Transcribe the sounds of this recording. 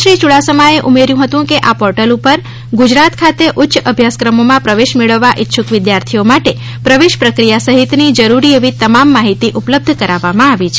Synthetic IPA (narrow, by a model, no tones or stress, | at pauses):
ʃɾit͡ʃuɽasəmaeʔumeɾjũɦət̪ũkeʔapɔɾʈəlupəɾ | ɡud͡ʒɾat̪kʰat̪eʔʊtːʃʔəbʱjaskɾəmomãpɾəʋeʃmeɭəʋːaʔɪtːʃʰukʋɪd̪jaɾt̪ʰiomaʈe | pɾəʋeʃpɾəkɾijasəɦit̪nid͡ʒəɾuɾieʋit̪əmamːaɦit̪iʔupləb̚d̪ʱkəɾaʋːamãaʋit͡ʃʰe